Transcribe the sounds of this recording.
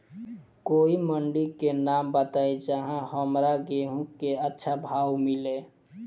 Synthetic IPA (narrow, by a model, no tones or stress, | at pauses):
koiməɳɖikenambət̪aed͡ʒaɦãɦəmɾaɡeɦũkːeətːʃʰabʱaːwmile